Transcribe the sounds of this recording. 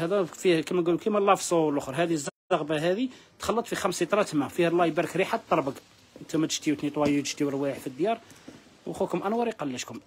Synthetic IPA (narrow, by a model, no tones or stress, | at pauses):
hæd̪æfikæmænɡulukimælːɑfsˤuwlʔʊxɾˤɦæd̪izː | ɑɣbæɦæd̪it̪xɑlːət̪ˤfixæmsit̪ˤɾɑt̪mæfihlˤːɑjbæɾˤəkɾiħat̪ˤːɑɾˤbəɡ | ənt̪æmæt̪ə̥ʃt̪iwt̪nit̪ˤwɑjit̪əʃt̪iwəlwæħfid̪ːjɑɾˤ | wxukʊmʔænwɑɾˤiqɑlːəʃkʊm